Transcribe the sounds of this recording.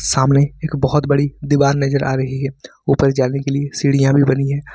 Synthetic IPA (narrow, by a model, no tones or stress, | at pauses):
saːmneeːkbɔɦʊt̪bɐɽid̪ibaːɾnɐd͡ʒəɾʔa̰ːɾɐɦiɦɛː | uːpəɾd͡ʒaːnekeliesiːɽijãbʱibɐniɦɛ̃ː